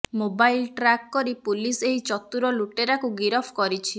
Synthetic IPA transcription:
mobajlʈɾakkɔɾipuliseɦit͡ʃɔt̪uɾɔluʈeɾakuɡiɾɔpʰkɔɾit͡ʃʰi

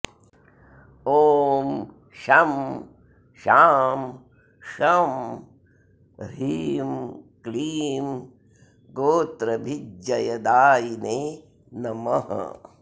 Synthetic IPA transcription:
oːm | ʃɐm | ʃaːm | ʃɐm | ɾiːmkliːm | ɡoːt̪ɾɐbʱid͡ʒd͡ʒɐjɐd̪aːjineː | nɐmɐɦɐ̰

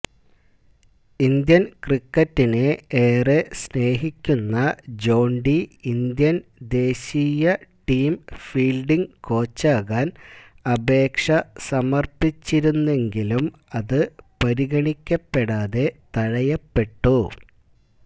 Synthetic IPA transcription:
ind̪jɐnkrikːɐtːineeːresne̞ːɦikʲːunːɐd͡ʑo̞ːɳɖiind̪jɐnd̪e̞ːɕijɐʈiːmfiːlɖiŋko̞ːt͡ɕːaːɣaːn | ɐbe̞ːkʂɐsɐmɐrpit͡ɕːiɾunːe̞ŋɡilum | ɐðɨpɐɾiɣɐɳikʲːɐpːe̞ɽaːðe̞t̪ɐɻɐjɐpːe̞ʈːu

